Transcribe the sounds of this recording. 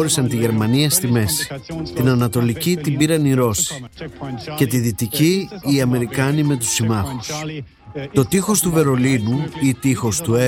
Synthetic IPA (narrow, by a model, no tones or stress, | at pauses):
ɾisɐnt̪iʝe̞ɾmɐniɐst̪ime̞si̥t̪inɐnɐt̪o̞licit̪ibiɾɐniɾo̞si̥ | ce̞t̪iðit̪iciːɐme̞ɾikɐnime̞t̪̬u̥simɐxu̥s | t̪o̞t̪ixo̞st̪uve̞ɾo̞linuit̪ixo̞st̪ue